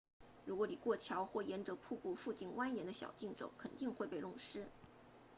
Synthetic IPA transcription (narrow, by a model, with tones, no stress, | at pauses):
ɻu˧˥kwɔ˧˥li˨˩kwɔ˥˩t͡ɕʰjɑ˧˥ʊxwɔ˥˩jɛ˧˥nʈ͡ʂɤ˧˥pʰu˥˧pu˥˧fu˥˧t͡ɕi˥˩nwa˥njɛ˧˥nd̪ə˧ɕjɑ̰˨˩ʊt͡ɕi˥˩ŋʈ͡ʂo̰˨˩˦ʊkʰə˨˩nt̪i˥˧ŋxwe˥˧ɪpe˥˧ɪʊ˥˩ŋʂɻ̩˥